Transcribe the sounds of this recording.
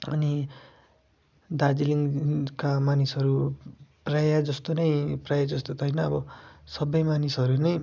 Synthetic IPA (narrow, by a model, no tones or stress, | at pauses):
ʌ̰ni | d̪ad͡ziliŋkamanisɦʌɾuprajad͡zʌst̪onʌjprajad͡zʌst̪ot̪ʰʌjnʌʌbʌsʌbʌjmanisʌɾunʌj